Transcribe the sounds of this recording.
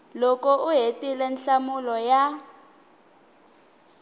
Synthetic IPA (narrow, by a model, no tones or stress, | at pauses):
lɔkɔʔuɦetʼilɛnɬamulɔja